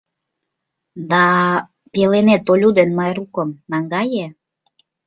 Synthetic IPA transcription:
d̪ɑ | pelenet̪olʲud̪enmɑjɾukə̆mnɑŋɡɑje

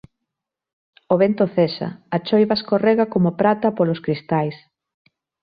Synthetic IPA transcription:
oβent̪oθɛsɐ̰at͡ʃojβɐskorɛɣɐkomopɾat̪ɐpolʊskɾist̪ajs

